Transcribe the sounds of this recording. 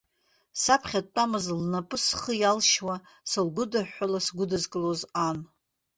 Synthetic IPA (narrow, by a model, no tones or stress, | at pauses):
sapʰχʲatʼːamɨzlnapʼɨsχəjalʃwa | sɨlɡʷʊdaħʷalasɡʷʊdɨzkʼɨlozan